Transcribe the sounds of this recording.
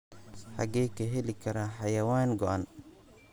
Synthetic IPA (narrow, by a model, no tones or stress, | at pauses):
ħɑɡɛːjkʰɐɦɛlɪkʰɐɾaħɑjɐwaːnɡɔʔan